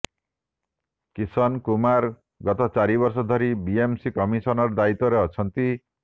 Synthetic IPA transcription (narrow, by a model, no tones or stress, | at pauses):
kisɔnkumaɾ | ɡɔt̪ɔt͡ʃaɾiβɔɾs̬ɔd̪ʱɔɾibiemsikɔmisɔnɔɾɔd̪ait̪ɔɾeɔt͡ʃʰɔnt̪i